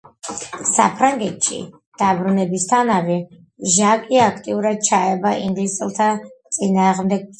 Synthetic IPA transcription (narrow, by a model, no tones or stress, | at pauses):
sa̰pʰɾaŋɡɛt̪ʃḭ | d̪̥abɾunɛbist̪ʰanavɛ | ʒakʼiakʰt̪ʼiuɾad̪̚t͡ʃʰaɛbaʔiŋɡlisʼɛlˠt̪ʰat̪sʼinaːʁmd̪ɛɡ̚